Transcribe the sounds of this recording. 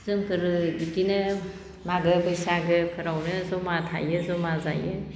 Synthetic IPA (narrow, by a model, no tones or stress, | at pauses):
zɯŋkʰɯɾɯbidinɯ | maɡɯbʰɯjsaɡɯkʰɯɾawnɯzɔmatʰa̰jɯzɔmaza̰jɯ